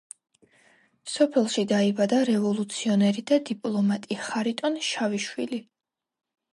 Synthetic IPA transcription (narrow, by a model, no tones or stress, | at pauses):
sɔpʰɛlˠʃid̪aibad̪aɾɛvɔlˠut̪sʰiɔnɛɾid̪ad̪ipʼlˠɔmat̪ʼiχaɾit̪ʼɔnʃaviʃwḭli